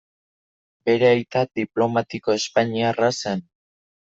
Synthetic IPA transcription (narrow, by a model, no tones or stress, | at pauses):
be̞ɾe̞ajt̪ad̪iplo̞mat̪iko̞e̞spaɲiarasen